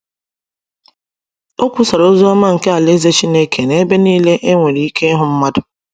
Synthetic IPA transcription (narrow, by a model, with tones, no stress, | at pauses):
o˦kʷu˦sa˨ɾo˦zo˦a˦ma˦ŋ̩˨ke˦a˨le˦ze˦t͡ʃi˦ne˦kʰe˨ne˦be˦niː˦le˦ʔe˦ŋʷe˨ɾi˨i˦kʰe˦ɦʊ˨m̩˦ma˦dʊ˨